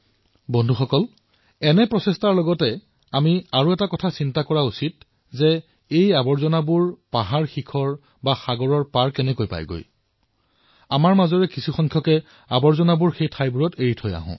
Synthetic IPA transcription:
bɔndʱuxɔkɔl | ɛnɛpɹɔsestaɹlɔɡɔtɛ | amiaɹuɛtakɔtʰasintakɔɹausit̚ | zɛ | ejabɔɹzɔnabuɹpaɦaɹxikʰɔɹ | baxaɡɔɹɔɹpaɹkɛnɛkojpa̰jɡo̰j | amaɹmazɔɹɛkisuxɔŋkʰjɔkɛ | abɔɹzɔnabuɹxejtʰajbuɹɔteɹitʰɔja̰ɦʊ̰̃

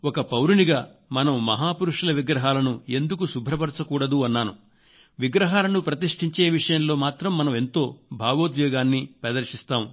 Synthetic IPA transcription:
ɔkɐpɐwɾuniɡaː | mɐnɐmːɐɦaːpuɾuʂulɐʋiɡɾɐɦaːlɐnue̞nd̪ukusubʱɾɐpɐɾt͡ʃɐkuːɽɐd̪uɐnːaːnu | ʋiɡɾɐɦaːlɐnupɾɐt̪iʂʈiɲt͡ʃeːʋiʂɐjɐmlo̞ːmaːt̪ɾɐmːɐnɐme̞nt̪o̞ːbʱaːʋoːd̪jɔːɡaːnːipɐd̪ɐɾʂist̪aːm

